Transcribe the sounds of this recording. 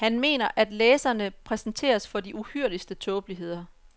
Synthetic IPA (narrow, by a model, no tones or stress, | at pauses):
hænme̝̰ːnɐʔæd̥leːsɐnəpʰʁɛsn̩t͡sʰe̝̰ːɐsfɒ̽diʔuhyɐ̰lisd̥ət͡sʰɔ̽ːb̥liɦe̝ð̞̰ˠɐ